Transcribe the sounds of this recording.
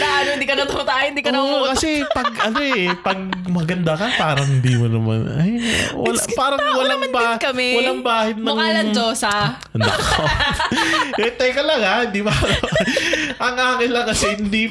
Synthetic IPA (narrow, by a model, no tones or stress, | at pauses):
naanoɪnd̪iːkɐnɐt̪ʊmɐt̪aːʔɪnd̪ikɐokɐsɛpɐɡ̚ʔɐnoʔɛpɐɡ̚mɐɡɐnd̪akɐpaːɾɐŋhɪnd̪imonɐma̰nɐ̰jwɐ̰lpaːɾɐŋwɐlaŋbakɐmɛwɐlaŋbaːhɪd̪̚nɐŋːlɐnd͡ʒoːsɐ | nɐ̰ko | ɛt̪ɐjkɐlɐɡad̪ɪba | ʔɐŋaːkɪnlɐŋkɐsɛhɪnd̪i